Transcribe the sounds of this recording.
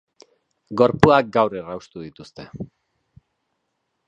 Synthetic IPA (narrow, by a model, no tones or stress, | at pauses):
ɡo̞ɾpuak̚ɡawrerawst̪uðit̪ust̪e̞